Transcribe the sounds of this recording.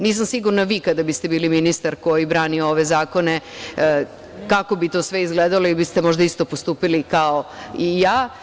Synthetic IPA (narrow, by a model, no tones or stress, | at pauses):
niːs̬amsiɡuɾnaʋiːkad̪abist̪e̞biːliminist̪aɾko̞jibɾaːniooʋe̞zaːko̞ne̞ | kako̞bit̪oːsʋe̞izɡled̪aloilibist̪emo̞ʒd̪aist̪o̞post̪uːpilikao̞ijaː